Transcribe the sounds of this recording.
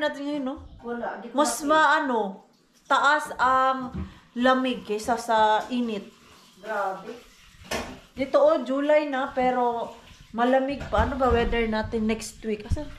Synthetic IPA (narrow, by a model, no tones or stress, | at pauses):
naːt̪ɪnŋɐjonolmɐsmɐʔɐno̞ | t̪ɐʔasɐŋ | lɐmɪɡɪsasɐʔiːnɪt̪̚ | ɡabɪ | d̪ɪt̪oʔod͡ʒuːlajnɐpɛːɾomɐlɐmɪɡ̚paʔɐnobɐwɛd̪ɛɹnaːt̪ɪnːɛkst̪wikʔɐsɛ